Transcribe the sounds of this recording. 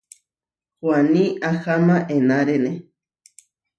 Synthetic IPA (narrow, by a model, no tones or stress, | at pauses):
xwaniaxamaʔenaɾene